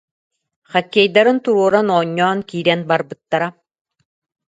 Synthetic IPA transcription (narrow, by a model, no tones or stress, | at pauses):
χakʲːɛjd̪aɾɯnt̪uɾuɔɾanɔːɲːɔːnkiːɾɛnbaɾbɯt̪ːaɾa